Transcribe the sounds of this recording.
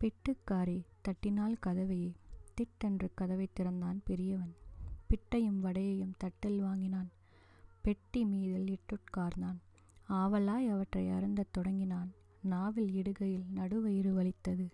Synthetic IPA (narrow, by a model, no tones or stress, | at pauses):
pɪʈːɯkːaːɾit̪ɐʈːɪnaːlkɐðɐʋɐjeːt̪ɪʈːɛndrɯkɐðɐʋɐɪt̪ːɪɾɐnd̪aːnpɛɾɪjɐʋɐnpɪʈːɐjɯmʋɐɽɐjɐjɯmt̪ɐʈːɪlʋaːŋɡɪnaːn | pɛʈːimiːðɪlɪʈːɯʈ̚kaːɾnaːn | aːʋɐlaːjɐʋɐʈrɐɪɐɾɯnd̪ɐt̪ːɔɽɐŋɡɪnaːn | naːʋɪlɪɽɯɣɐjɪlnɐɽɯʋɐjɪɾɯʋɐɭɪt̪ːɐðɯ